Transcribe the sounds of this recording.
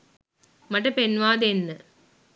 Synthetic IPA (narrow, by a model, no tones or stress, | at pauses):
mɐʈːɐ̃penʋaːd̪enːɨ